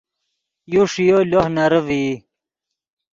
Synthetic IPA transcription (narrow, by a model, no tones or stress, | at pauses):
juʂijolohnɐɾəvi